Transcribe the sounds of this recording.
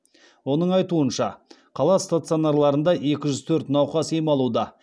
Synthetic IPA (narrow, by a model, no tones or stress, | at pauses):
wo̞nəɴɑjt̪uənʃɑ | qʰɑlˠɑst̪at̪sɨo̞naɾlˠɑɾənd̪ɑe̞kʲɪʒʏzt̪ʰɵɾt̪nɑwqɑsejmɑlˠud̪ɑ